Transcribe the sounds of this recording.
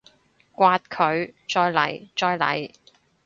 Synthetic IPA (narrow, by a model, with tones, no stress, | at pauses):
kʷaː˧t̚kʰɵ˨˧ɥt͡ʃɔː˧jlɐ̰˨˩jt͡ʃɔː˧jlɐ̰˨˩j